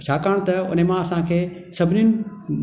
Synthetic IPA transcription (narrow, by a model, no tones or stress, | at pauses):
t͡ɕʰakaːɽ̃t̪ɐʊ̰nemãɐsãkʰeː | sɐbʱɪnʊnɪ̆